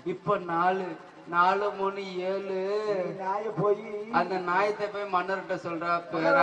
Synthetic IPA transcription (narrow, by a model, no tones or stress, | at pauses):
ʋɪpːonaːɭɯ | naːlɯmoːnːɯeːlɯnaːjɐpoːjiɐnd̪ɐnaːjɐt̪ːɐpoːjmɐnːɐɾɯʈːɯsɔlraːpeɾ